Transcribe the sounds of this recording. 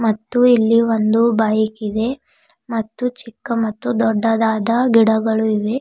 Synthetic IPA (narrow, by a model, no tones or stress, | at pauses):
mɐt̪ːuilːiʋond̪ubaːjikid̪e̞ | mɐt̪ːut͡ʃikːɐmɐt̪ːud̪ɔɖːɐd̪aːd̪ɐɡiɽɐɡɐɭuiʋe̞